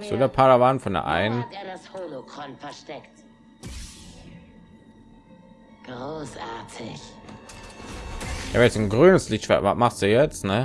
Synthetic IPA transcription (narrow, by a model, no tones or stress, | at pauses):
z̥o̰ːdeɐpʰadavanfɔndḛɐ̰ʔa̰ɪnəndeːɐdashoːlokʁ̥ɔnfɛɐʃtɛkt | ɡ̥ʁoːsʔaɐtʰɪç | ja̰vɛsnɡʁyːnəslɪçtʃv̥ɛ̰ɐva̰maχstd̥uːjɛt͡stnə